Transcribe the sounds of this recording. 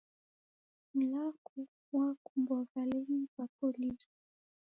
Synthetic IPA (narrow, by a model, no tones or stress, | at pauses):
m̩laku | wakumbwavalɛnivakɔlisḁ